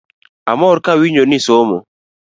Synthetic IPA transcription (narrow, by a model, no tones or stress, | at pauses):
a̰mɔɾkawiɲonisomo̰